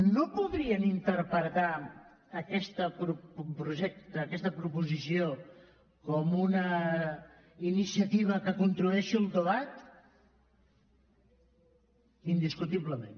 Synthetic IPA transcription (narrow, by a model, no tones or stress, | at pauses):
nopuðɾiənint̪əɾpət̪aː | kɛst̪əpɾupɾuʒɛk̚t̪əːkɛst̪əpɾupuzisio | kɔmunə | inisiət̪iβ̞əkəkunt̪ɾuɛʃiulˠd̪əβat̪ | ind̪iskut̪iβləmen